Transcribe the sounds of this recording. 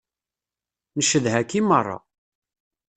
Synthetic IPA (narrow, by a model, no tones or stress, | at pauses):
nəʃəðɦækːimərˤːɑ̰